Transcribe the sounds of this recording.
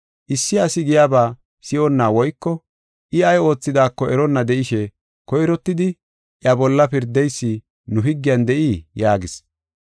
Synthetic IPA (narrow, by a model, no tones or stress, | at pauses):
ʔɪsːɪɐsɪɡɪjaːbaː | sɪʔɔnːaːwɔjkːɔ | ʔɪɐjo̞ːt͡sːɪd̪aːkːɔʔɛɾɔnːɐd̪ɛʔɪʃɛ | kɔjɾɔt̪ːɪd̪ɪ | ʔjɐbɔlːɐpɪɾd̪ːɛjsːɪ | nʊɦɪɡːɪjɐnd̪ɛʔiːjaːɡɪs